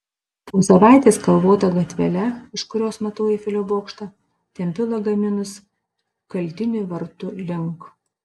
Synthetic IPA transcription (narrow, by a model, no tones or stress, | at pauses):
poːsɐʋɑˑɪt̪ʲeːskɐlˠʋoːt̪ɐɡɐt̪ʲʋʲɛlʲɛɪʃkʊɾʲoːsmɐt̪oːjɪfʲɪlʲoːboːkʃt̪ɐ | t̪ʲɛmʲpʲɪlˠɐɡɐmʲɪnʊs | kɐlʲˑt̪ʲɪnʲʊʋɐɾt̪ʊlʲɪŋk